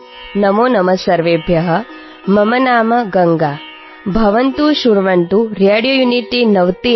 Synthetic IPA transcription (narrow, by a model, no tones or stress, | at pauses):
nɐmoːnɐmɐsɐɾʋeːbʱjɐɦɐ̆ | mɐmɐnaːmɐɡɐŋɡaː | bʱɐʋɐnt̪uʃuɾʋɐɳt̪uɾeːɽijoːjuniʈinɐʋt̪i